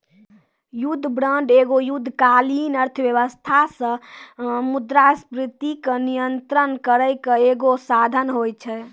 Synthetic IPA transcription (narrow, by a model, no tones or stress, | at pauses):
jud̪ʱːbɾəɳɖeɡojud̪ʱːkalinəɾt̪ʰəbjəβəst̪ʰasə̃ | mud̪ɾaspɾit̪ikenijənt̪ɾənkəɾəjkəeɡosad̪ʱənɦojt͡ʃʰɛ